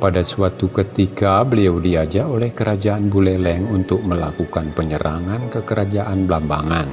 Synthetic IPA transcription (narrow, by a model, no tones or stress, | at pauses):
padasuat̪ukət̪ikabəliawdiad͡ʒaolɛhkəɾad͡ʒaanbulɛlɛŋunt̪ʊk̚məlakukanpəɲəɾʔa̰ŋankəkəɾad͡ʒaʔanblambaŋan